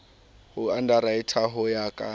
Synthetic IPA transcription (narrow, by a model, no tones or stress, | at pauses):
hʊandaɾaitʰaɦʊjaːkʼa